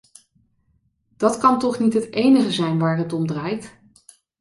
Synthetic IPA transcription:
d̥ɑtkɑntɔχnitɦətejnəχəzɛjnʋaːrɦətɔmdraːjt

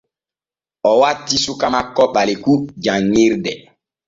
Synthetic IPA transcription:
ɔwatːisukamakːɔɓalikud͡ʒaŋːiɾdɛ

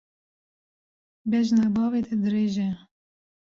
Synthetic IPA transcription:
bɛʒnɛbɑːvet̪ʰɛd̪ɨɾeːʒɛ

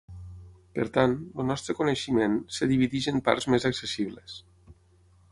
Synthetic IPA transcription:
pəɾt̪anəlnɔst̪ɾəkoneʃimensəðiβiðiʒempa̰ɾzmezəksesiβles

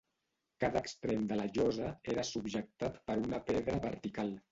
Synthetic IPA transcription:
kaðəkst̪ɾemd̪ələʒɔzəeɾəsubʒək̚t̪at̪pəɾunəpɛðɾəβəɾt̪ikalˠ

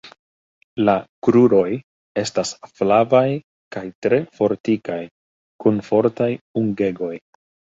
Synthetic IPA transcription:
lakɾuɾo̞j | e̞stasflavaj | kajtɾe̞fo̞ɾtikaj | kunfo̞ɾtajuŋɡe̞ɡo̞j

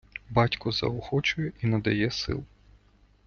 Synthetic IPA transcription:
bɑtʲkʊzɐ̰ɔxɔt͡ʃʊjɛʔinɐd̪ɐjɛsɪ̰lˠ

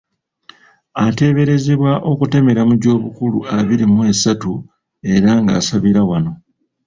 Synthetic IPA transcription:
ate̞βe̞ɾe̞zeβwaʔo̞kute̞me̞ɾamuɟo̞ːβukuluaβiɾimue̞satu | e̞ɾaŋɡa̰ːsaβiɾawano̞

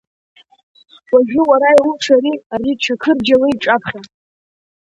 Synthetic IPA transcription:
waʒᶣɪwaɾajwʊʈ͡ʂʰaɾiariʈ͡ʂʷʰakʰɨrd͡ʒawiiʈ͡ʂʼapʰχʲa

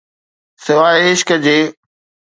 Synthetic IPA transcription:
sɪʋaːeɪʃkəd͡ʑeː

